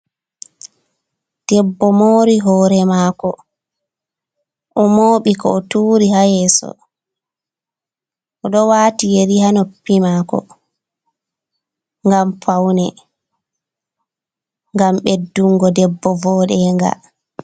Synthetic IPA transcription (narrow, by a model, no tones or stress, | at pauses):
d̥ɛbːɔmoːɾiɦɔːɾɛmaːkɔ | ʔɔmoːɓikɔːtuːɾihajɛːsɔ̰ | ʔɔɗɔwaːtijeɾihanɔpːimaːkɔ̰ | ŋɡamfawnɛ | ŋɡamɓedːuŋɡɔdɛbːɔvɔːɗɛːŋɡa̰